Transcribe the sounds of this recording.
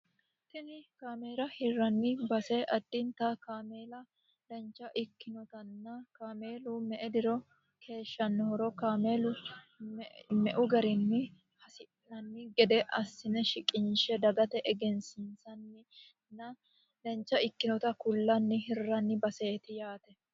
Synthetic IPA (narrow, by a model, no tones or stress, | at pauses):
t̪ɪnɪkaːme̞ːlɐhɪrːɐnːɪbɐsɛʔɐd̪ːɪnt̪ɐkaːmeːlɐ | lɛnt͡ʃːɐʔɪkːɪnɔt̪ɐnːɐkaːmeːlʊmɛʔɛd̪ɪɾɔ | kʰe̞ːʃːɐnːhɔɾɔkaːmeːlʊ | mɛʔʊɡɐɾɪnːɪ | hɐsɪ | nɐnːɪɡɛd̪ɛʔɐsːɪnɛʃɪkʼɪnʃɛd̪ɐɡɐt̪ɛʔɛɡɛnsɪnsɐnːɪ | nːɐ | d̪ɛnt͡ʃːɐɪkːɪnɔt̪ɐkʊlːɐnːɪɦɪrːɐnːɪbɐseːt̪ɪjaːt̪ɛ